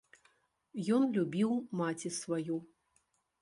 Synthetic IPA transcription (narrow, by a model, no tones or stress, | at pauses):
jɔnlʲubʲiwmat͡sʲisvaju